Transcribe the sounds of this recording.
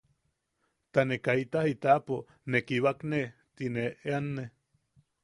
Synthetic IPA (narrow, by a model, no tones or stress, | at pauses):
t̪anekait̪ahit̪apo | nekiβakne | t̪ineʔeanːe